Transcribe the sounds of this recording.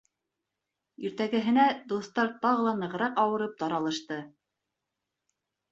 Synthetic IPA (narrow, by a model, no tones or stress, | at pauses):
iɾt̪æɡɘ̆ɦɘ̆næd̪uθt̪ɑɾt̪ɑʁɤ̆lˠɑnɤ̆ʁɤ̆ɾɑqɑwɤ̆ɾɤp̚t̪ɑɾɑlˠɤ̆ʃt̪ɤ